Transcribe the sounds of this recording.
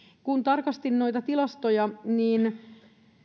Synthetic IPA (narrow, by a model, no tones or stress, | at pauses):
kunt̪ɑrkɑst̪innojt̪ɑt̪ilɑst̪ojɑniːn